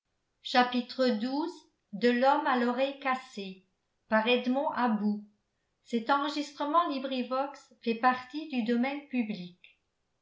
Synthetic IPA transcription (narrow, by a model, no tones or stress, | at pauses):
ʃapit̪χəd̪uz | d̪əlɔmalɔʁɛjkase | paʁɛd̪mɔ̃ʔabu | sɛt̪ɑ̃ʁəʒist̪χəmɑ̃libʁivɔksfɛpaʁt̪id̪yd̪ɔmɛnpyblik